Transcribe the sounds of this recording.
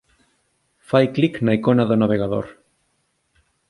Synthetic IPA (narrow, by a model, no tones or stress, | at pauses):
fajkliknaikonaðonaβ̞eɣaðo̰ɾ